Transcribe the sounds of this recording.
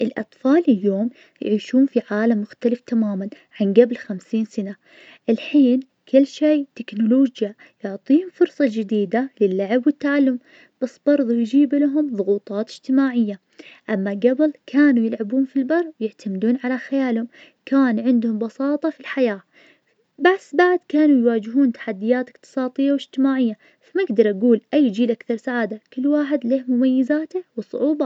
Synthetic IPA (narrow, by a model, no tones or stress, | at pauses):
ʔɪlʔɑ̰t̪ˤfɑːlɪljoːm | jʕiːʃuːnfiʕaːlamːʊxt̪alɪft̪amaːman | ʕanɡablxamsiːnsana | ʔɪlħiːn | kʰɪlːʃeːt̪ɪknʊloːd͡ʒja | jʊʕt̪ˤiːhʊmfʊɾsˤɑd͡ʒɪd̪iːd̪alɪlːaʕɪbwɪt̪ːaʕalːʊm | b̥asːb̥ɑɾˤðˤujd͡ʒiːblaɦʊmðˤʊɣuːt̪ˤɑːt̪ɪ̥d͡ʒ̥t̪ɪmaːʕɪjːa | ʔamːaɡabɪlkʰaːnujɪlʕabuːnfilbɑrˤːwjɪʕt̪amd̪uːnʕalaxajaːlhʊm | kaːnʕɪnd̪hʊmbɑsɑːt̪ˤɑfilħajaː | baʕsbaʕd̪kaːnujwaːd͡ʒɪɦuːnt̪ḁħad̪ːɪjaːt̪ɪ̥qt̪ɨ̥sˤɑːt̪ˤɪjːawɪd͡ʒt̪ɪmaːʕɪjːa | famaɪɡd̪ɑɾˤʔaɡuːlʔajːd͡ʒiːlʔakθɑɾˤsaʕaːd̪akɪlːwaːħɪd̪leːhmʊmajːɪzaːt̪ɪwɨsˤʊ̰ʕuːbɑ